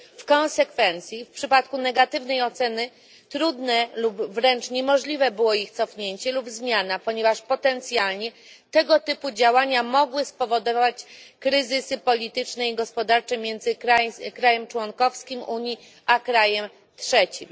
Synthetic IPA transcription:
fkɔ̃nsɛkfɛnt̪sʲjifpʂɘpat̪̚kunɛɡat̪ɘvnɛjɔt̪sɛnɘ | t̪ɾud̪nɛlubvɾɛnt͡ʂɲɛmɔʐlʲivɛbɘwɔixt̪sɔfɲeɲt͡ɕɛlubzmʲjanapɔɲɛvaʂpɔt̪ɛnt̪sʲjalɲɛ | t̪ɛɡɔt̪ɘpud͡ʑawaɲamɔɡwɘspɔvɔd̪ɔvat͡ɕkɾɘzɘsɘpɔlʲit̪ɘt͡ʂnɛiɡɔspɔd̪aɾt͡ʂɛmʲjɛnd̪zɘkɾakɾajɛmt͡ʂwɔŋkɔfskʲimʔuɲji | ʔakɾajɛm | t̪ʂɛt͡ɕim

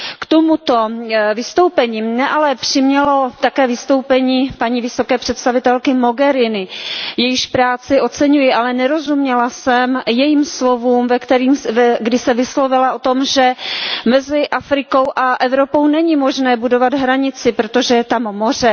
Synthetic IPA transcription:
kt̪omut̪o̞vɪst̪o̞wpɛɲiːmɲɛʔalɛpr̝̥ɪmɲɛlo̞t̪akɛːvɪst̪o̞wpɛɲiːpaɲiːvɪso̞kɛːpr̝̥ɛt̪st̪avɪt̪ɛlkɪmo̞ɡɛɾɪnɪjɛjɪʃpɾaːt͡sɪʔo̞t̪t͡sɛɲujɪʔalɛnɛɾo̞zumɲɛlasɛmjɛjiːmslo̞vuːmvɛkt̪ɛɾiːmɛɡdɪsɛvɪslo̞vɪlaʔo̞t̪o̞mʒɛmɛzɪʔafɾɪko̞wʔaʔɛvɾo̞po̞wnɛɲimo̞ʒnɛːbudo̞vad̪ɦɾaɲɪt͡sɪpɾot̪o̞ʒɛjɛt̪amːo̞r̝ɛ

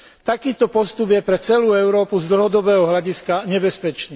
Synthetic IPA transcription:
t̪akiːt̪ɔpɔst̪ubjɛpɾɛt͡sɛluːɛʊɾɔːpuzd̪l̩ɦɔd̪ɔbɛːɦɔɦlaɟiskaɲɛbɛspɛt͡ʃniː

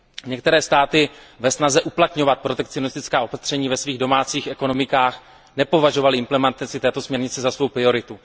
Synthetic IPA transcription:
ɲɛkt̪ɛɾɛːst̪aːt̪ɪ | vɛsnazɛʔuplat̪ɲo̞vat̪̚pɾo̞t̪ɛk̚t͡sionɪst̪ɪt͡skaːo̞pat̪r̥ɛɲiːvɛsviːɣdo̞maːt͡siːxɛko̞no̞mɪkaːx | nɛpo̞vaʒo̞valɪʔɪmplɛmɛnt̪at͡sɪt̪ɛːt̪o̞smɲɛɾɲɪt͡sɛzasvo̞wpɾɪo̞ɾɪt̪u

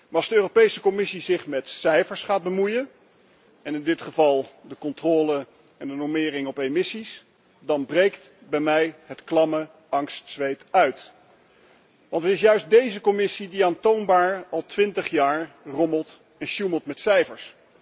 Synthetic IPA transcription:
maɑlˠzdəøːropejsəkɔmɪsizɪχmɛtsɛjfəɹsχaːd̚bəmujən | ɛnɪndɪtχəvɑlˠdəkɔntroːlə | ɛndənɔɹmɪːɾɪŋɔpejmɪsis | dɑnbrejktbɛjmɛjɦətklɑmə | ɑŋstsʋejtœɥt | ʋɑntətɪs̬jœɥs̚dejzəkɔmɪsidiaːntownbaːɹɑlˠtʋɪntəχjaːɹ | rɔməlˠt | ɛnʃuməlˠtmɛtsɛjfəɹs

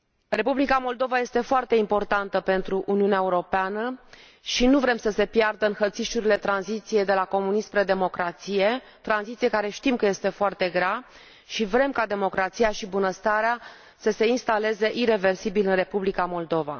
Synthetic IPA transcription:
re̞publikamo̞ld̪o̞vaje̞st̪e̞foart̪e̞impo̞rt̪ant̪əpe̞nt̪ɾuʔuniuneaeuɾo̞peanə | ʃinuvɾe̞msəse̞pjard̪əɨnxət̪siʃuɾile̞t̪ɾanzit̪sije̞jd̪e̞lako̞munispɾed̪e̞mo̞kɾat̪sije̞ | t̪ɾanzit̪sijekaɾe̞ʃt̪imkəje̞st̪e̞foart̪e̞ɡɾa | ʃivɾe̞mkad̪e̞mo̞kɾat̪siaʃibunəst̪aɾea | səse̞inst̪ale̞ze̞ʔiɾe̞ve̞rsibilɨnre̞publikamo̞ld̪o̞va̰

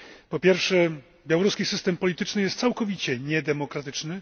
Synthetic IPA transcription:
pɔpʲjɛɾfʂɛ | bʲjawɔɾuskʲisɘst̪ɛmpɔlʲit̪ɘt͡ʂnɘjɛst̪t̪sawkɔvʲit͡ɕɛɲɛd̪ɛmɔkɾat̪ɘt͡ʂnɘ

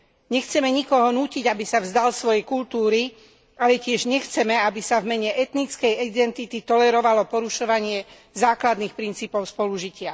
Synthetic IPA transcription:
ɲɛxt͡sɛmɛɲikɔɦɔnuːciɟabisavzd̪alsʋɔjɛkult̪uːɾi | alɛcɪɛʒɲɛxt͡sɛmɛabisavmɛɲɛʔɛt̪nit͡skɛjid̪ɛnt̪it̪it̪ɔlɛɾɔʋalɔpɔɾuʃɔʋaɲɪɛ | zaːklad̪nixpɾint͡siːpɔʊspɔluʒicɪa

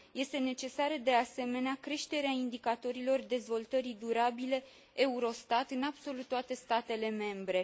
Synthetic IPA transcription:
je̞st̪e̞ne̞t͡ʃe̞saɾəd̪e̞ase̞me̞neakɾe̞ʃt̪e̞ɾeaind̪ikat̪o̞ɾilo̞rd̪e̞zvo̞lt̪əɾid̪uɾabile̞ | euɾo̞st̪at̪ɨnabso̞lut̪ːoat̪e̞st̪at̪e̞le̞me̞mbɾe̞

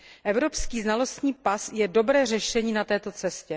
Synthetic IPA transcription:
ʔɛvɾo̞pskiːznalo̞st̪ɲiːpasjɛdo̞bɾɛːrɛʃɛɲiːnat̪ɛːt̪o̞t͡sɛscɛ

